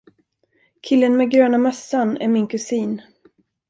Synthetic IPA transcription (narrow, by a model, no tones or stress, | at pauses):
kʰɪlːənmɛɡɾøːnamɛsːanæ̰ɾmɪnkʰɵsiːn